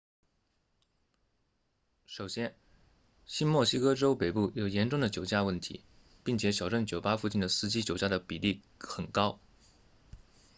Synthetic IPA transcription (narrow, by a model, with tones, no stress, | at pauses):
ʂo˨˩ʊɕjɛ˥n | ɕi˥nmwɔ˥˩ɕi˥kɤ˥ʈ͡ʂo˥ʊpe˨˩ɪpu˥˩jo˨˩ʊjɛ˧˥nʈ͡ʂʊ˥˩ŋd̪ə˩t͡ɕjo˨˩ʊt͡ɕja˥˧wə˥˩nt̪ʰḭ˧˥ | pi˥˩ŋt͡ɕʰjɛ˧˥ɕjɑ˨˩ʊʈ͡ʂə˥˩nt͡ɕjo˨˩ʊpa˥fu˥˧t͡ɕi˥˩nd̪ə˩sɹ̩˥˩t͡ɕi˥t͡ɕjo˨˩ʊt͡ɕja˥˩ɾə˩pi˨˩li˥˩ | xə˨˩nkɑ˥ʊ